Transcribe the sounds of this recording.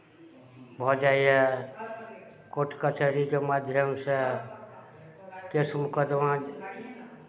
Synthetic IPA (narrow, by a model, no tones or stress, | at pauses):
bʱɔd͡ʒaie | koʈkət͡ʃəɾikemad̪ʱjəmse | kesmukəd̪ʋãd͡ʒ